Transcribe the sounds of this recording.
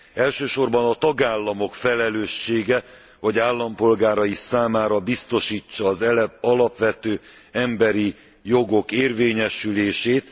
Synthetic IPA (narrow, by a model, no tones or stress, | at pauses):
ɛlʃøːʃo̞rbɒnɒt̪ɒɡaːlːɒmo̞kfɛlɛløːʃːeːɡɛ | vɒɟaːlːɒmpo̞lɡaːɾɒisaːmaːɾɒbist̪o̞ʃiːt͡ʃːɒːzɒlɒpʋɛt̪øː | ɛmbɛɾi | jo̞ɡo̞keːrveːɲɛʃyleːʃeːt̪